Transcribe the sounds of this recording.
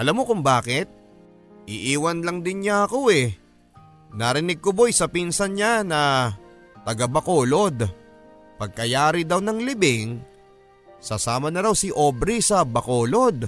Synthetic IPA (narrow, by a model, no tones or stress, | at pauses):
ʔɐlamːo̞kʊŋbaːkɪt̪̚ | ʔɪʔiːwɐnlɐŋd̪ɪnɲaɐko̞ɛ | nɐɾɪnɪɡ̚kʊbojsɐpinsɐnɲanɐ | t̪ɐɡɐbɐkoːlo̞d̪ | pɐɡ̚kɐjaːɾɪd̪awnɐŋlɪbɪŋ | sɐsaːmɐnɐɾawsɪʔo̞ːbɾisɐbɐkoːlo̞d̪̚